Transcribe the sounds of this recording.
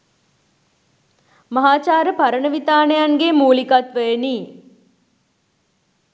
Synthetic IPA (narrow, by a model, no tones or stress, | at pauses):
mɐɦaːt͡ʃaːɾəpaɾənəʋit̪aːnəjaŋɡemuːlikat̪ʋəjeniː